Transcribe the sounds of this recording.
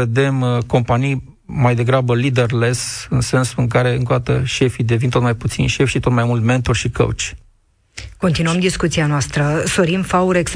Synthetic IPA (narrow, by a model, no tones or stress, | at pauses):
e̞d̪e̞mko̞mpanijː | ajd̪e̞ɡɾabəlid̪e̞rle̞sɨnse̞nsuɨŋk̬aɾe̞ɨ̰ŋkod̪at̪əʃe̞fid̪e̞vint̪o̞t̪majput̪sḭnʃe̞fʲʃit̪o̞t̪majmult̪me̞nt̪orʃikʰə̰wt͡ʃʲ | ko̞nt̪inuəmd̪iskut̪sianoast̪ɾəso̞ɾimfauɾeks